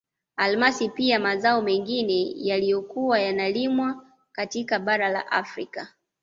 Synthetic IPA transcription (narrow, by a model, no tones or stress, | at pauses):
almasipiamazaɔmɛŋɡinɛjalijɔkuwajanalimwa | katikaɓaɾala̰ʔafɾika